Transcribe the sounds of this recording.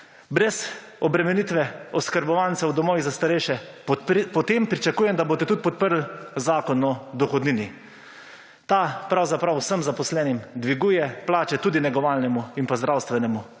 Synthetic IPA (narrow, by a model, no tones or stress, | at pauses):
bɾɛz | ɔbɾɛmɛnit̪ʋɛɔskəɾbɔʋantsɛwd̪ɔmɔːʋizast̪aɾɛʃɛ | pɔt̪eːmpɾit͡ʃakuːjɛmd̪aboːt̪ɛt̪ut̪̚pɔt̪̚pəɾlzaːkɔnɔd̪ɔxɔd̪niːni | t̪apɾawzapɾawsəmzapɔslɛːnimd̪ʋiɡuːjɛplaːt͡ʃɛt̪uːd̪inɛɡɔʋaːlnɛmuinpazd̪ɾawst̪ʋɛnɛmu